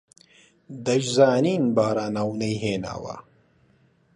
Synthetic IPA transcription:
d̪ɐʒzaːniːnbaːɾaːnawnɐjɦeːna̰ːwɐ̰

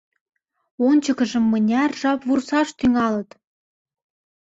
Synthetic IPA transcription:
onʲt͡ɕɤ̆kə̆ʒə̆mːɤ̆nʲærʒɑpβursɑʃt̪yŋɑlɤ̆t̪

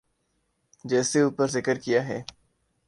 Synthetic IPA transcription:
d͡ʒɛːseuːpəɾzɪkəɾkijaɦɛː

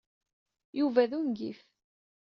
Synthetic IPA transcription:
juvæðunɡḭf

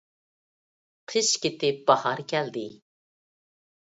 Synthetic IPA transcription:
qʰɨʃkʲɪt̪ɪp̚b̥ɑhɑɾkʲʰɛld̪ɪ

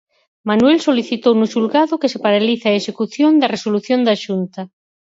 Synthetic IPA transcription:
manwɛlsoliθit̪ownuʃulɣaðʊkesepaɾaliθaeʃekuθjond̪ɐresoluθjõnd̪aʃunt̪ɐ

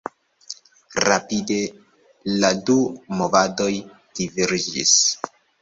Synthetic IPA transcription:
ɾapide̞ | ladumo̞vado̞j | d̥iviɾd͡ʒḭs

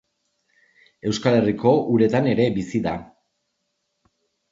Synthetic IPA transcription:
e̞wskale̞riko̞ʔuɾe̞t̪ane̞ɾe̞bisiða

